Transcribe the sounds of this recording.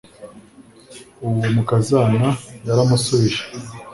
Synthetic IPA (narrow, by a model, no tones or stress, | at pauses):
uwomukazanajaɾamusoeʃḁ